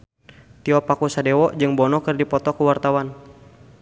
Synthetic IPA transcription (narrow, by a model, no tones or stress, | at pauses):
t̪iɔpakusadɛwɔʔd͡ʒɨŋbɔnɔkɨrdipɔt̪ɔkuwart̪awan